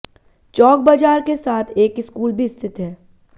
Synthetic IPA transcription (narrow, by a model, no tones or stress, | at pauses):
t͡ʃɔːk̚bɐd͡ʒaːɾkesaːt̪ʰeːkɪskuːlbʱiɪst̪ʰɪt̪ɦɛː